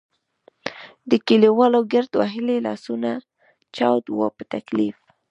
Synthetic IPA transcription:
d̪əkiliwɑlawɡaɾt̪wa̰ɦɪlelɑ̰suna | t͡ʃɑwd̪wo̰pət̪aklif

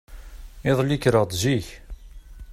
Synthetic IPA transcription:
ɪðˤlikːɾəʁd̪ʒiç

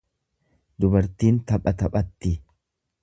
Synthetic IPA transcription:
d̪ʊbɐɾt̪iːnt̪ɐpʼɐt̪ɐpʼɐt̪ːɪ

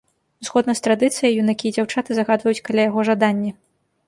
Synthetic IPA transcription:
uzɣɔd̪nɐst̪ɾad̪ɨt̪sɨjɐjunakʲijɛd͡zʲawt͡ʂat̪ɨzaɣad̪vɐjut͡sʲkalʲajaɣɔʐad̪anʲːɛ

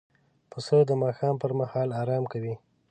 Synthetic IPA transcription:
pəsod̪əmɑxɑmpəɾmahɑlɑɾɑmkawi

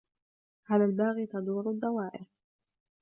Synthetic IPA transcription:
haːðalbaːɣiːt̪ɑd̪ˤuːɾʊd̪ˤːɑwaːʔɪɾ

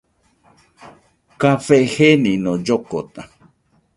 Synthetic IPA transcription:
kafehenĩnod͡ʒokot̪a

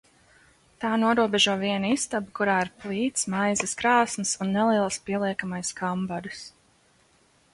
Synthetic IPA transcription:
t̪aːnuɔɾuɔbɛʒuɔviɛnist̪abkuɾaːiɾplˠiːt̪smajzɨskɾaːsmɨsunːɛlˠiɛlˠspiɛlˠiɛkamajskʰambad̪ɨs

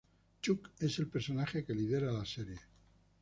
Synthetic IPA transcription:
t͡ʃuke̞se̞lpe̞ɾso̞naxe̞ke̞liðe̞ɾalaseɾje̞

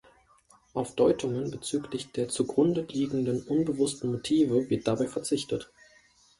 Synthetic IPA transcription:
ʔaʊfd̥ɔʏtʰʊŋənbət͡syːklɪçd̥eːɐt͡suɡʁʊndəliːɡŋ̩dənʔʊnbəvʊstn̩motʰiːvəvɪɐt̚d̥abaɪfɛɐt͡sɪçtət

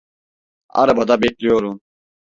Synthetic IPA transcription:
a̰ɾabad̪abeclʲijoɾum

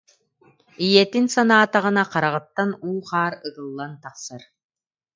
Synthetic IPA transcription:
ijɛt̪insanaːt̪aʁɯ̆naqaɾaʁɯ̆t̪ːanuːqaːɾɯɡɯlˠːant̪aqsaɾ

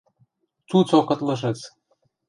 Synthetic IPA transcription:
t͡sut͡sokɤ̆t̪lɤ̆ʃ̬ɤ̆t͡s

